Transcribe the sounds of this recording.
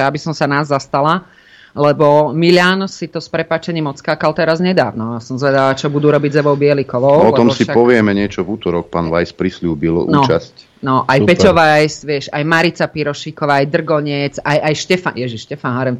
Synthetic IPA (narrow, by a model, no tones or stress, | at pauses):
jabisɔmsanaːzːast̪ala | lɛbɔmilɪaːnsit̪ɔspɾɛpaːt͡ʃɛɲiːmɔt͡skaːkalt̪ɛɾazɲɛd̪aːʋnɔasɔmzʋɛd̪alat͡ʃɔbud̪uːɾɔbiɟzɛʋɔʊbɪɛlikɔʋɔʊɔlɛt̪ɔmsiapɔʋɪɛmɛɲɪɛt͡ʃɔvuːt̪ɔɾɔk̚paːnʋajspɾisluːbilun̰ɔːasc | nɔʔajpɛcɔʋajsʋɪɛʃajmaɾit͡sapiɾɔʃiːkɔʋaːajd̪r̩ɡɔɲɛt͡sajajʃcɛfanjɛʒiʃʃcɛfanɦaɾɛm